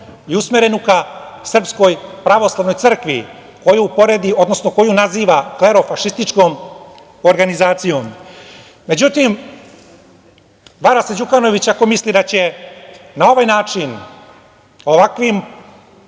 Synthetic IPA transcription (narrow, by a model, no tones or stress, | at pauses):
iusmeɾe̞nukasr̩psko̞jpɾaʋo̞slˠaʋno̞jt̪sər̩kʋi | ko̞juupo̞ɾe̞d̪io̞d̪no̞sno̞ko̞junaziːʋakle̞ɾo̞faʃist̪it͡ʂko̞m | oɾɡanizaːt̪sijo̞m | me̞d͡ʑut̪im | ʋaɾased͡ʑukano̞ʋit͡ɕako̞mislid̪at͡ɕe̞nao̞ʋajnaːt͡ʃin | o̞ʋakʋim